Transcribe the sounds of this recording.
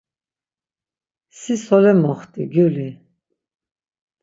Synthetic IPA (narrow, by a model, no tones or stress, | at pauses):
sisɔlɛmɔχt̪ʼiɡuli